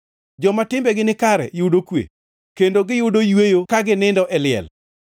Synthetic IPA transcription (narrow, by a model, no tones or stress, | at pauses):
d͡ʒɔmatɪmbɛɡɪnɪkaɾɛ̰jʊdokwḛ | kendoɡɪjʊdojwejokaɡɪnɪndɔʔɛlɪɛ̰l